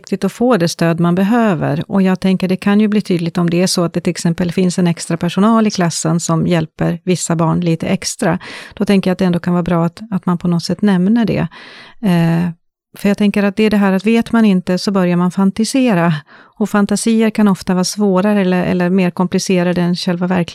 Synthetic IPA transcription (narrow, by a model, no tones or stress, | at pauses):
k̚t̪ɪt̪ɔfoːd̪ɛst̪øːd̪manbɛɦøːvə̰ɾɔjɑːɡ̚t̪ʰɛŋkəɖɛkʰanjɵbliːt̪ʰyːd̪lɪɡ̚t̪ɔmd̪ɛæʂɔat̪̚d̪ɛt̪ʰɪlɛksɛmpəlfɪnsɛnɛkst̪ɾapʰæʂʊnɑːlɪkʰlasːənsɔmjɛlpəɾvɪsːabɑːɳliːt̪ə̰ʔɛkst̪ɾad̪̥ɔt̪ʰɛŋkəjat̪̚d̪ɛnd̪oːkʰanvɑːɾbɾɑːat̪at̪manpʰɔnɔt̪sɛt̪ːnɛmnəɖɛ̰ | fœɾjɑːt̪ʰɛŋkəɾat̪̚d̪ɛæɖɛɦæːɾat̪veːt̪manɪnt̪əsɔbœɾjaɾmanfant̪ɪseːɾaɔfant̪asiːəɾkʰanɔft̪avɑːɾsvoːɾaɾəɛlːəɾʔɛ̰lːəɾmeːɾkʰɔmplɪseːɾad̪əɛnɕɛlvavæɾk